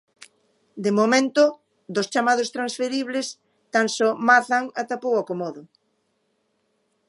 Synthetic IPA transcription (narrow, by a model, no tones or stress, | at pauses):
d̪emomẽnt̪ʊ | d̪ʊst͡ʃamaðʊst̪ɾansfeɾiβlɪs | t̪ansɔmaθaŋat̪apowakomɔðʊ